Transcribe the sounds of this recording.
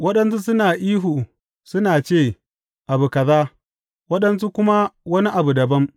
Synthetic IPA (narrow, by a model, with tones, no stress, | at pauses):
wɐ˦ɗɐ˦nsu˦sʊ˦naː˨ʔiː˦ɦu˨ | sʊ˦naː˨t͡ʃeː˦˨ | ʔa˨bu˨kɐ˨zaː˦ | wɐ˦ɗɐ˦ns̬u˦kʷʊ˦ma˦wɐ˦ni˦ʔa˨bu˨dɐ˨bɐ˦m